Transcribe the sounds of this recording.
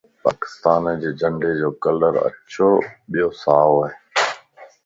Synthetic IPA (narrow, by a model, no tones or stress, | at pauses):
pa̰ːkɪ̥st̪aːnd͡ʑeːd͡ʑə̃ɳɖed͡ʑoːkələɾə̰tːʃʰoɓijosaːoaːɦeː